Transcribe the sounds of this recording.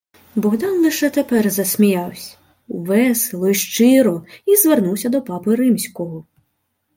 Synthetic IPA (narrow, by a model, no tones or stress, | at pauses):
bɔɣd̪ɑnlˠɪʃɛt̪epɛrzɐsʲmʲijɑwsʲɐ̥ | uʋɛselˠɔiʃt͡ʃɪɾɔizʋernuwsʲɐd̪ɔpɑpɪɾɪmsʲkɔɦɔ